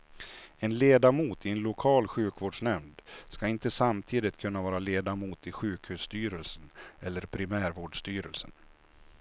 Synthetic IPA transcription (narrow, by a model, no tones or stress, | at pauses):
ɛnleːd̪amuːt̪ɪɛnlʊkʰɑːlɧʉ̟ːkvoːɖʂɳɛmd̪skaɪnt̪əsamt̪ʰiːd̪ɪt̪kʰɵnːavɑːɾaleːd̪amuːt̪ʰɪɧʉ̟ːkhʉːst̪yːɾəlsənɛlːəɾpʰɾɪmæːɾvoːɖʂt̪yːɾəlsə̰n